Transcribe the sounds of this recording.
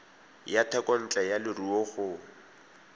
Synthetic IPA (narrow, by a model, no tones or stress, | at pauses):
jatʰɛkʼɔn̩t͡ɬʼɛjalɪrioɣʊː